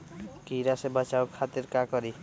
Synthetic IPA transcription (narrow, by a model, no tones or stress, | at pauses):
kiɾasebʌt͡ʃawkʰat̪irkakʌɾi